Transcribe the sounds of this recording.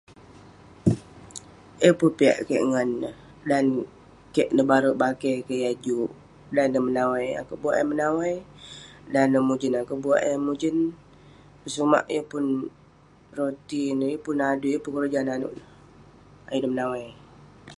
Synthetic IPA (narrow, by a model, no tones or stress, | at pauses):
jəpunpia̰ʔkəʔŋanəh | dan | kɛʔnəbaɾəʔbakekəʔjad͡ʒuʔ | danəmənawaja̰koʔbuaʔjəmənawaj | danəmud͡ʒənakoʔbuaʔəmud͡ʒən | pəsuma̰ʔjəpʊn | rot̪injəpʊnadujəpunkəɾəd͡ʒananṵʔnəh | a̰judəmənawaj